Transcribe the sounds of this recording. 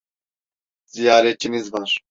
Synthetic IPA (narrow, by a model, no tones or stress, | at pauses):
zijaːɾɛt͡ʃʰinizvaɾ